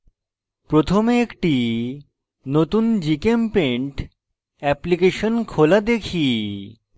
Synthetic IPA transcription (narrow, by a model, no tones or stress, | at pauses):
pɾot̪ʰomeekʈi | not̪und͡ʑikempeɳʈ | ɛplikeʃonkʰolad̪ekʰi